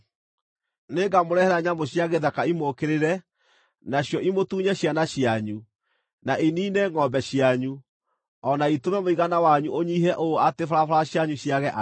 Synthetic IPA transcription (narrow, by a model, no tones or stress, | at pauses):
neɡamoɾɛhɛɾaɲamoɕjaɣeðakaimokeɾeɾɛ | naɕjɔʔimotuɲɛɕjanaɕjaɲu | naʔiniːnɛŋɔmbɛɕiaɲu | ɔnaitomɛmoiɣanawaɲuʔoɲiːɦɛʔoatefaɾafaɾaɕjaɲuɕjaɣɛʔa